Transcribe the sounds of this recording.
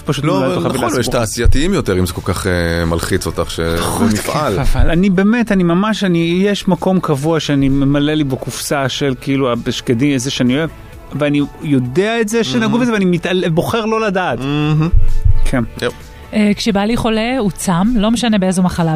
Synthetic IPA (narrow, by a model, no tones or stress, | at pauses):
paʃutloavjɛʃtaːsijat̪iimjot̪eʁimzeko̞lkaχema̰lχit͡sot̪aχʃḛnifalavalanibeːmetanimamaʃanijeʃmako̞mkavuaʃeanime̞malelibekufsaʃe̞lkiiluabeʃkediezeʃeanioe | veanijo̞deaetzeʃenaɡuvezeveanimit̪alebo̞χe̞ʁlo̞ladaːt̩ | kʰeno | ekʃebaliχo̞leut͡samlo̞meʃanebeezomaχala